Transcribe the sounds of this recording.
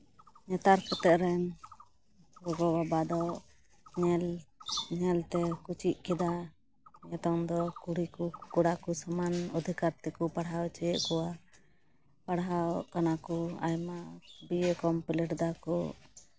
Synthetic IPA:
ɲɛt̪aɾkɛt̪ɛʔ̪̚ɾɛn | ɡɔɡɔbabad̪ɔ | ɲɛlɲɛlt̪ɛkut͡ʃiʔ̚kɛd̪a | ɲɛt̪ɔŋd̪ɔkuɽikukuɽakusamanɔd̪ʱikaɾt̪ɛkupaɽɦawt͡ʃɛjɛʔkɔa | paɽɦawkanakɔa̰jmabiɛkɔmpilɛʈd̪akɔ

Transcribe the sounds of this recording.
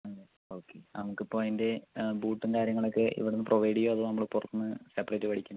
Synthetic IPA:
ɐle | o̞ːkːenɐmukːipːo̞ːinde̞buːʈːɨŋkaːɾjɐŋːɐɭo̞kːeʔḭʋiɽenːɨproʋɐjɖijoːɐðɨnɐmːɐɭpurɐt̪ːunːɨsepːɐretːɨʋɐɽʰikʲːunː

